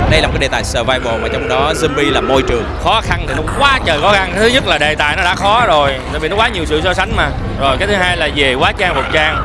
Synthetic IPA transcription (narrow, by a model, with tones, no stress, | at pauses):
ɗə˧jaː˨˩kːaː˨˦ɗe˨˩t̪aː˨˩jsəː˨˩vaː˧jɓo˨˩maː˨˩t͡ɕɔ˧wŋ͡mɗɔ˨˦zə˧nɓi˧laː˨˩mo˧jt͡ɕɨ˨˩əŋxɔ˨˦xa˧nt̪ʰi˨˩nɔ˨˦kwaː˨˦t͡ɕəː˨˩kɔ˨˦ɣa˧ŋt̪ʰɨ˨˦ɲə˦˥t̚laː˨˩ɗe˨˩t̪a̰ː˧˨jnɔ˨˦ɗa̰ː˧˥xɔ˨˦zo˨˩jt̪a̰˧˨jvḭ˨nɔ˦kwaː˨˦ɲi˨˩əwsɨ̰˧˨sɔ˧sa˨˦jŋ̟maː˨˩ | zo˨˩jkaː˨˦jt̪ʰɨ˨˦ɦaː˧jlaː˨˩ze˨˩kwaː˨˦˥t͡ɕaː˧ŋvu˨˩t̚t͡ɕaː˧ŋ